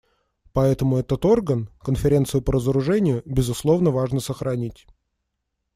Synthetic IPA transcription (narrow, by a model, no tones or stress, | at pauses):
pɐɛt̪əmʊɛt̪ət̪o̞rɡənkənfʲɪɾʲe̞nt̪sɨjʊpəɾəzəɾʊʐɛnʲɪjʊbʲɪzʊslˠo̞vnəvaʐnəsəxɾɐnʲitʲ